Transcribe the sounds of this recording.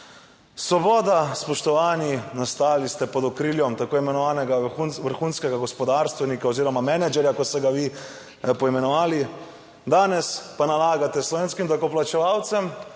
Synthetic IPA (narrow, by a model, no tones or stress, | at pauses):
sʋɔbɔːd̪aspɔʃt̪ɔʋaːninast̪aːlist̪ɛpɔd̪ɔkɾiːljɔmt̪akoːimɛnɔʋaːnɛɡaunʋəɾxuːnskɛɡaɡɔspɔd̪aːɾst̪ʋɛnikaoziːɾɔmamɛnɛd͡ʒɛɾjakɔt̪st̪ɛɡaʋi | pɔimɛnɔʋaːli | d̪aːnɛspanalaːɡat̪ɛslɔʋeːnskimd̪ɔkɔplat͡ʃɛʋaːwt̪sɛm